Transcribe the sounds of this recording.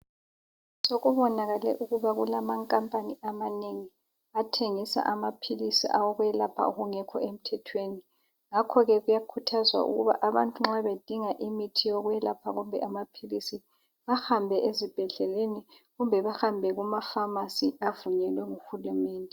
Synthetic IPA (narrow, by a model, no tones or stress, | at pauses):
soɣuβɔnaɣalɛ̰ʔuɣuβaɣulamaŋkʼampʼaniamaneŋi | atʰeŋisa̰ʔamapʰilisḭʔa̰wɔɣwjɛlapʰa̰uɣuŋɛkʰɔ̰em̩tʰɛtʰweːni | ŋakʰɔɣɛɣujakʰutʰazwa̰ʔṵɣṵβa̰ʔaβa̰ntʼuŋ͡ǁaβed̥ʱiŋaʔimitʰijoɣujɛlapʰaɣumbʱɛʔamapʰilisi | βahambʱɛʔezib̥ʱɛɮɛleniɣumbʱɛβaxambʱɛɣumafamasiavuɲɛlwɛŋuxulumɛːndʱɛ